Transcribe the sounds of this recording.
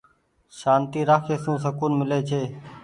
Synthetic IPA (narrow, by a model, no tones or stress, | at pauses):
ʃaːnt̪iːɾaːkʰeːsũːs̬əkuːnmɪleːt͡ʃʰeː